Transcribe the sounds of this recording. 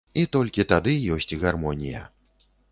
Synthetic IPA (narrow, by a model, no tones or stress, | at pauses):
it̪ɔlʲkʲit̪ad̪ɨjɔsʲt͡sʲɣarmɔnʲijɐ̰